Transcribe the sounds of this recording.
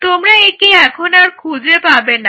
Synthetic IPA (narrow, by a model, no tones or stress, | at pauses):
t̪omɾaekiɛkʰonaɾkʰud͡ʑʱepabena